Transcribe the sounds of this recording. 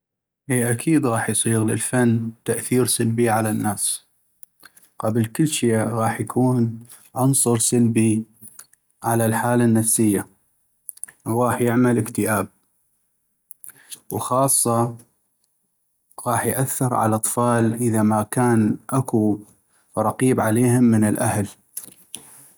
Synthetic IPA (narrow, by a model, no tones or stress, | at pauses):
ʔiːʔakʰiːd̪ɣɑːħjsˤiːɣləlfanːt̪aʔθiːɾsalbiʕalanːaːs | qɑblkɪlːʃiɣɑːħjakʰuːn | ʕʊnsˤʊɾsalbi | ʕalalħaːlanːafsɪjːa | wɣɑːħjɪʕmalɪkt̪ɪʔaːb̚ | wxɑːsˤːɑ | ɣɑːħjʔaθːɨɾʕa̰laʔɑt̪ˤfɑːlʔəðamakaːnʔaku | ɾˤɑqiːbʕaleːhɪmːənɪlʔahl